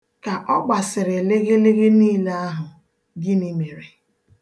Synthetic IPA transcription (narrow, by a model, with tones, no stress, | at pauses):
ka˨ʔɔ˦ɡ͡ba˨sɪ˨ɾɪ˨le˦ɣe˦le˦ɣe˦niː˦le˦a˦ɦʊ˨ | ɡɪ˦ni˦me˨ɾe˨